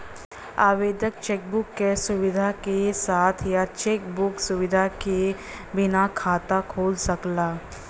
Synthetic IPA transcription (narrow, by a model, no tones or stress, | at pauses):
aːʋeːd̪jək̚t͡ʃeːk̚bʊkːesʊʋɪd̪ʱakesaːt̪ʰjat͡ʃeːkbʊksʊʋɪd̪ʱake | bɪnakʰaːt̪akʰoːlsɐklaː